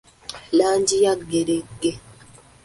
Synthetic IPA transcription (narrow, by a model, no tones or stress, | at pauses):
laːɲd͡ʒijaɡeɾeɡe